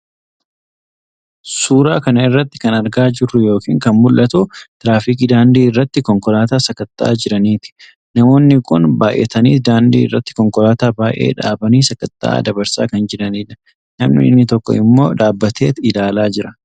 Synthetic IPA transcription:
suːɾaːkɐnɐɪrːɐt̪ːɪ̥kɐnɐɾɡaːd͡ʒɪrːʊjo̞ːkḭːŋkɐnmʊlʔɐt̪uːt̪ɪɾaːfiːk̬iːd̪aːnd̪iːɪrːɐt̪ːɪkɔŋkɔlaːt̪aːsɐkɐt̪ːaʔa̰ːd͡ʒɪɾɐniːt̪ɪ̥ | nɐmo̞ːnːɪkʊnbaːʔeːt̪ɐniːt̪d̪aːnd̪ḭːɪrːɐt̪ːɪ̥kɔŋkɔlaːt̪aːbaːʔḛːᶑa̰ːbɐniːsɐkɐt̪ːa̰ʔa̰ːd̪ɐbɐɾsa̰ːkɐnd͡ʒɪɾɐniːᶑɐ̥ | nɐmnḭːnːɪt̪ɔkːɔ̰ɪmːo̞ːᶑaːbːɐt̪e̞ːt̪ɪlaːlaːd͡ʒɪɾɐ

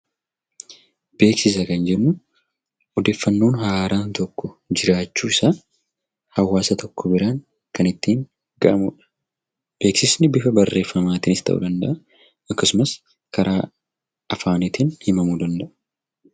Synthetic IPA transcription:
b̥e̞ːksɪs̬ɐkɐnd͡ʒɛnːʊ | ɔd̪e̞ːfːɐnːo̞ːnhaːɾaːnt̪ɔkːɔd͡ʒɪɾaːt͡ʃːuːɪsaː | hɐwːaːsɐt̪ʰɔkːɔbɪɾaːŋ | kɐnɪt̪ːiːŋ | ɡɐʔɐmuːᶑɐ̥ | b̥e̞ːksɪsnɪbɪfɐbɐrːe̞ːfːɐmaːt̪ɪnɪst̪ʰɐ̰ʔṵd̪ɐnd̪ɐʔɐ | ɐkːɐsʊmɐs | kʰɐɾʔaː | ɐfaːnɪt̪ɪnhɪmɐmuːd̪ɐnd̪ɐʔɐ̥

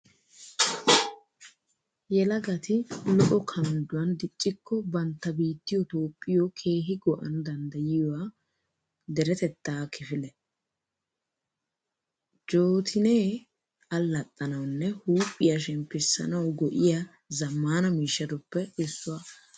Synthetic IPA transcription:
jɛlɐɡɐt̪ɪlɔʔɔkʰɐnd̪ʊwɐnd̪ɪt͡ʃʼːɪkːɔbɐnt̪ːɐbiːt̪ːɪjɔt̪oːpʼːɪjɔkʰe̞ːɦɪɡɔʔɐ̰nʊd̪ɐnd̪ɐjɪjɔwa | d̪ɛɾɛt̪ɛt̪ːaːkʰɪfɪlɛ | d͡ʒo̞ːt̪ʰɪneː | ɐlːɐt̪ʼːɐnɐwnːɛhuːpʼːɪjaʃɛmpːɪsːɐ̰nɐwɡɔʔɪja | zɐmːaːnɐmiːʃːɐd̪ʊpːɛɪsːʊwa

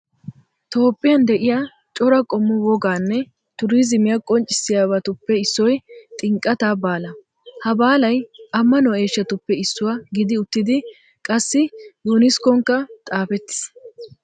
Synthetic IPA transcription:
t̪o̞ːpʼːɪjɐnd̪ɛʔɪjaː | t͡ʃʼɔɾɐkʼɔmːʊwɔɡaːnːɛ | t̪ʊɾiːzɪmɪjɐkʼɔnt͡ʃʼːɪsːɪjaːβɐt̪ʊpːɛɪsːɔjt̪ʼɪŋkʼːɐt̪aːbaːlɐ | hɐbaːlɐjʔɐmːɐnɔe̞ːʃːɐt̪ʊpːɛɪsːʊwaɡɪd̪ɪʊt̪ːɪd̪ɪ | kʼɐsːɪjunɪskɔŋkːɐt̪ʼaːfɛt̪ːɪ̥s

